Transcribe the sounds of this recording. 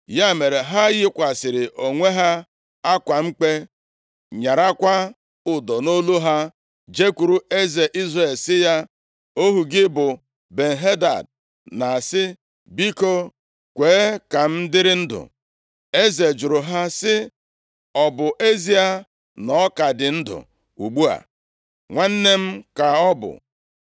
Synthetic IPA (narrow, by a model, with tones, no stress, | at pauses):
ja˦˨me˨ɾe˨ɦa˦ɣɪ˦kʷa˨sɪ˨ɾɪ˨ʔo˨ŋʷe˦ɦa˦ | a˦kʷa˨ŋ͡m̩˦k͡pe˦ | ɲa˨ɾa˦kʷa˦ | ʊ˨dɔ˨no˦lu˦ɦa˦ | d͡ʒe˦kʷu˨ɾu˦e˦ze˨ʔi˦zre˨lsɪ˦ja˦ | o˦ɦu˨ɡɪ˦bʊ˨ | be˨n̩˨ɦe˦da̰˨d | na˨sɪ˦ | bi˦ko˦ | kʷeː˨˦ka˨m̩˦dɪ˦ɾɪ˦n̩˦dʊ̰˨ | e˦ze˨d͡ʒʊ˨ɾʊ˨ɦa˦sɪ˦ | ɔ˨bʊ˨ʔe˦zi˦a˨ | nɔ˦ka˨dɪ˨n̩˦dʊ̰˨ | ṵ˨ɡ͡bu˦a̰˨ | ŋʷa˦n̩˦ne˦m̩˦ka˨ɔ˦bʊ̰˨